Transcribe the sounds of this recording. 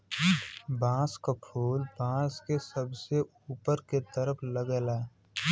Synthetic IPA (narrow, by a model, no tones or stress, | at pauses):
bãːskapʰuːlbãːskesəbse | uːpəɾket̪əɾəpʰləɡɛla